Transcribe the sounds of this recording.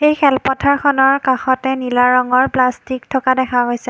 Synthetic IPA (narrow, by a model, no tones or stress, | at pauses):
ejxʰɛlpɔtʰaɹkʰɔnɔɹkaxɔtɛnilaɹɔŋɔɹplastiktʰɔkadɛkʰaɦojsɛ